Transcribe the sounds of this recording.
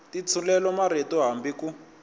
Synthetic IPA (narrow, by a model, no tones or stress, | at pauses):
tit͡sʰulɛlɔmaɾetɔɦambiku